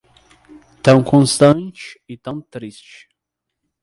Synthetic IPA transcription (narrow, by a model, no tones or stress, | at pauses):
t̪ɐ̃w̃kʰõnst̪ɐ̃nt͡ʃit̪ɐ̃w̃t̪ɾist͡ʃ